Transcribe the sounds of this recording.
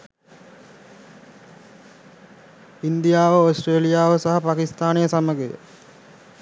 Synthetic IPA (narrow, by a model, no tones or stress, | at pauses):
ind̪ijaːʋəosʈreːlijaːʋəsaɦapakist̪aːnijəsaməɡejə̰